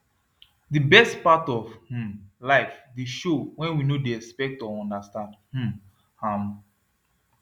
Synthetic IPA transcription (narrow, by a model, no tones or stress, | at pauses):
dibɛstpatɔvh̩laɪfdeʃowɛ̃nwinodeɛspɛk̚tɔɔ̃ndastãndh̩ | ham